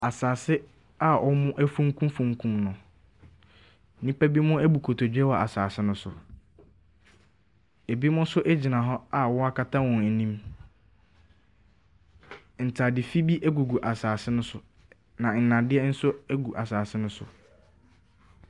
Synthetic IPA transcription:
a˨saː˨sɪ˦ | a˦˨ʔɔ˦mʊ̃˦ʔæ˦fũ˦ŋ˦kʰũ˦fũ˦ŋ˦kʰũ˦mnʊ̃˨˦ | nĩ˦pæ˦bi˦mʊ̃˦æ˦bu˨kʰo˨tʰo˨d͡ʑᶣɛ˦wɔ˨ʔa˨saː˨sɪ˦nʊ̃˦sʊ˨ | e˨bi˦mʊ̃˦sʊ˦ʔɛ˦d͡ʑi˨nã˨ɦɔ˦a˦˨wɔ˦a˦kʰa˦tʰã˦wɔ̃˨næ˨nĩ˦m | n̩˨tʰa˨dɪ˨fi˦bi˦ʔæ˦ɡu˨ɡu˨ʔa˨saː˨sɪ˦nʊ̃˦sʊ˨ | nã˨n̩˨nã˨dɪ˦ɛ˦n̩˦sʊ˦æ˦ɡu˨ʔa˨saː˨sɪ˦nʊ̃˦sʊ̰˨

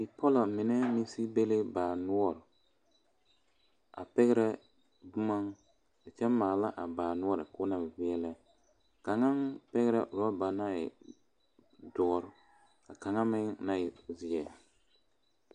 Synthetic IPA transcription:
ɪ˨pɔ˦lɔ˨mɪ˨nɛ˦mi˦si˦be˦le˦baː˨nʊ˦ɔ˦ɾ | a̰˨pɛ˦ɣɛ˦ɾɛ˦ | bʊ˦ma˦ŋ | ɪ˨t͡ʃɛ˦maː˨la˦ʔa˨baː˨nʊ˦ɔ˦ɾɪ˨kʊː˦na˨bɪ˨vɪ˦ɛ˦lɛ˦ | ka˨ŋa˦npɛ˦ɣɛ˦ɾɛ˦ʔɾɔ˦ba˨na˦ɪ̰˨ | dɔ˨˦ɾʊ˦ | ka˨ka˨ŋa˦mɪ˦ŋna˦ɪ˨zɪ˨ɛ˨

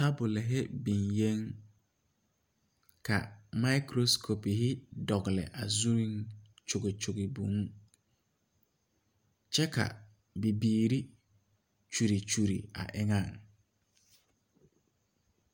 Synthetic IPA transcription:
ta˦bʊ˨lɪ˨ɦɪ˦bĩ˨nje˦ŋ | kʰa̰˨ma˦kɾo˦skʰo˨pi˨ɦɪ˦dɔ˨ɡɪ˨lɪ̰˨ʔa˨zu˦ɾĩ˦ŋt͡ʃʊ˨ɡɪ˨t͡ʃʊ˨ɡɪ˨bṵ̃˨˦ŋ˦ | t͡ʃɛ˦kʰa̰˨ | bi˨biː˨ɾi˦ | t͡ʃu˨ɾi˨t͡ʃu˨ɾḭ˨a̰˨ʔɪ˦ŋã˦˨ŋ

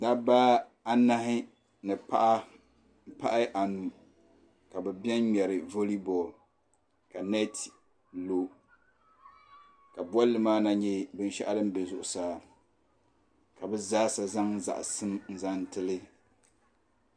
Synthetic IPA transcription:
da˦baː˦ | a˦na˦ɦɪ˦ | nɨ˨pa˦ʔa˦ | m̩˦pa̰˦ʔa˦ʔa˨nu˨ | ka˨bɛ˨bɛ˦n˦ɲɛ˨ɾɨ˨vo˦li˦bɔ˨l | ka˨nɛ˦t | lo˦ | ka˨ba˦lːɨ˨maː˦na˦ɲɛ˦bɨ˨n˦ʃɛ̰˦ʔa˦lɨ˦m˦be˨zʊ˨ʔʊ˨saː˨ | ka˨bɛ˦zaː˦sa˨za˦ŋ˦za̰˨ʔsɨ˦mn̩˨za˦n˦tɨ˦lɨ˦

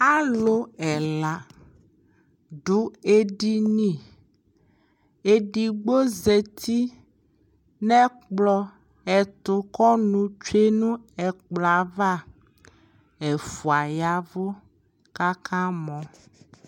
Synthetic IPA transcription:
a˦lo˦ɛ˨la˨ | ɖu˨e˨ɖi˦nĩ˦˨ | e˨ɖi˨ɡ͡bo˦ze˨t̪ʰi˦ | nɛ̃˦k͡plɔ˦ | ɛ˨t̪o˨kɔ˦nũ˨t͡ʃe˦nũ˦ɛ˨k͡plɔ˨a˨va˦˨ | e˨fu˨a˨ja˦vo˦ | ka˦kʰã˦mɔ̃˨

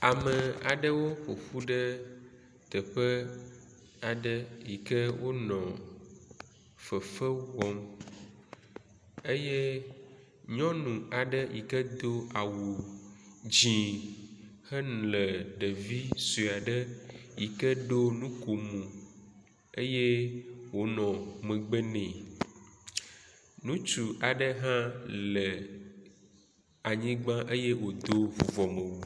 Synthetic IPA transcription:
a˨mə˨a˨ɖə˦wo˦ɸo˨ɸu˦ɖə˦ | t̪ə˨ɸə˦ | a˨ɖə˦ji˨kə˦wʔo˦nɔ̃˨ | fə˨fə˦wɔ˦m | ə˦jɛ˦ | ɲɔ̃˦nũ˨a˨ɖə˦ji˨kə˦d̪o˦a˨wu˨ | d͡ʑĩ˨ | hə˦n˨lə˨ɖə˨vi˦su˨a˨ɖə˦ji˨kə˦ɖo˦nũ˦ko˨mũ˨ | e˦je˦wo˨nɔ̃˨mə̃˨ɡ͡bə˦nɛ̃˨ | nũ˦t͡ʃu˨ʔa˨ɖə˦ɦã˦lə˨ | a˨ɲĩ˦ɡ͡bã˦ʔe˦je˦wo˨d̪o˦vo˨vɔ˨mə̃˨wo˦

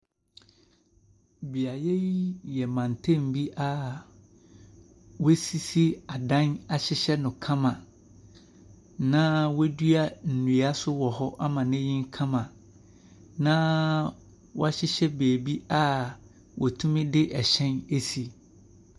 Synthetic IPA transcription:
bi˨a˨je˦ji˦jɛ˨mã˨n˨tʰẽ˦m̩˨bi˦ʔa˦ | we˦si˦si˦a˨dã˦na˨ɕɪ˦ɕɛ˦nʊ̃˨kʰã˦mã˨ | nã˦we˦dɥa˦n̩˨nũ˨a˦sʊ˦wɔ˨hɔ˦ʔa˦mã˨nɛ̃˦jĩ˦ŋ˦kʰã˦mã˨ | nã˦ | wɔ̰˦a˦ɕɪ˦ɕɛ˦beː˨bi˦a˦ | wʔɔ˨tʰũ˦mɪ̃˦dɪ˦ʔɛ˨ɕɛ̃˦ne˦si˨

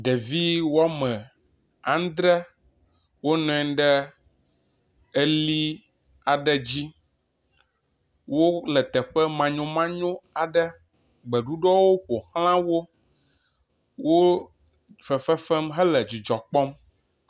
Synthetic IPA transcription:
ɖe˨vi˦wa˦mɛ̃˨ | ã˨˦n˦d̪ɾɛ˦ | wo˦nɔ̃˨ɛ̃˦ɖɛ˦ | e˦li˦ | a˨ɖɛ˦˨d͡ʑi˦ | wo˦lɛ˨t̪ɛ˨ɸɛ˦mã˨ɲõ˨mã˦ɲõ˦a˨ɖɛ˦ | ɡ͡bɛ˨ɖu˦ɖɔ˦wo˦ɸo˨hl̃ã˦wo˦ | wo˦ | fɛ˨fɛ˦fɛ˦mɦɛ˦lɛ˨d͡ʑi˨d͡ʒɔ˨k͡pɔ˦m

